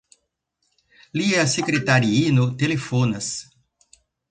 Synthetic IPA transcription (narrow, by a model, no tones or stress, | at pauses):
liɛɐsekɾet̪aɾiinʊt̪elefõnɐs